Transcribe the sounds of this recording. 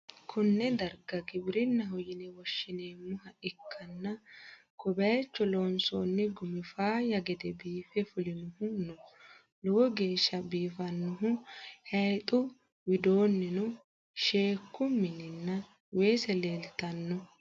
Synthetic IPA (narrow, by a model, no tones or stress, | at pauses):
kʰʊnːɛd̪ɐɾɡɐɡɪbɪɾɪnːɐɦɔjɪnɛwɔʃːɪne̞ːmʊhɐʔɪkʰːɐnːɐ | kɔbɐjɛt͡ʃːɔloːnsoːnːɪɡʊmɪfaːjɐɡɛd̪ɛbiːfɛfʊlɪnʊhʊnʊ | lɔwɔɡe̞ːʃːɐbiːfɐnːʊɦʊhɐjt̪ʼʊ | wɪd̪oːnːɛnʊ | ʃe̞ːkːʊmːɪnɪnːɐ | we̞ːsɛle̞ːlt̪ːɐnːɔ